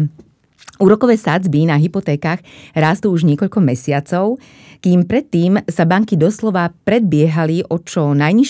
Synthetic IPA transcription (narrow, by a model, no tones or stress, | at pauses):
uːɾɔkɔʋɛːsad͡zbinaɦipɔt̪ɛːkaːɣɾaːst̪uːuʒɲɪɛkɔʎkɔmɛsɪat͡sɔʊ | kiːmpɾɛt̪ːiːmsabaŋkid̪ɔslɔʋapɾɛd̪̚bɪɛɦaliʔɔt͡ʃɔnajɲiʃ